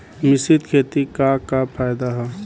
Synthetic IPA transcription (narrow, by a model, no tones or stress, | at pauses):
mɪsit̪kʰeːt̪ikakapʰaːjd̪aɦɛ